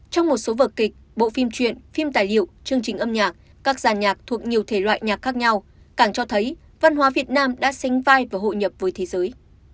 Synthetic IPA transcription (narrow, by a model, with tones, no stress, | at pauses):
t͡ɕɔ˧wŋ͡mmo˨˩t̚so˨˦vəː˨˩kï˨˩k̚ɓo̰˧˨fi˧mt͡ɕwḭ˧˨ənfi˧mt̪aː˨˩jlḭ˧˨ə˨wt͡ɕɨ˧əŋt͡ɕï˨˩ŋ̟ʔə˧mɲaː˨˩k̚ | kaː˦˥k̚zaː˨˩nɲaː˨˩k̚t̪ʰu˨˩ək̚ɲi˨˩əwt̪ʰe˧˩lwa̰ː˧˨jɲaː˨˩k̚xaː˦˥k̚ɲa˧w | kaː˧˩ŋt͡ɕɔ˧t̪ʰə˨˦j | va˧nɦwaː˨˦vi˨˩ət̚naː˧mɗa̰ː˧˥sa˨˦ŋ̟vaː˧jvaː˨˩ɦo̰˧˨ɲə˨˩p̚vəː˨˦jt̪ʰe˨˦zəː˨˦j